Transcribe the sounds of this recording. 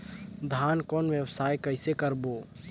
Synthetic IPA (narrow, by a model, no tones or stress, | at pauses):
d̪ʱaːnkɔːnʋjəwsaːjkəɪsekəɾboː